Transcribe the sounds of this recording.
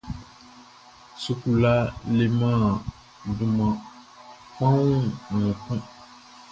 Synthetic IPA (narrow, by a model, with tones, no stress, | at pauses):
su˦ku˨la˦le˨mã˦˨ | du˨mã˨ | k͡pã˦wũ˦˨k͡pɛ̃˦